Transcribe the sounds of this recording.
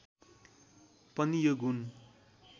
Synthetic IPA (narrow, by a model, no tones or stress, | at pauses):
pʌnijoɡun